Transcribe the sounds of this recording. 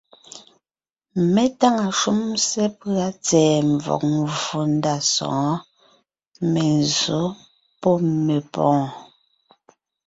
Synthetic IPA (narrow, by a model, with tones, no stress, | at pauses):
me˦ta˦ŋa˨ʃu˦msɛ˦pɰa˦t͡sɛː˨ɱvɔ̰˨k̚m˨vo˨n˦da˦˨sɔ̰̃ː˨˦ | me˨n˨zo˨˦ | pɔ˦me˨pɔ̃ː˦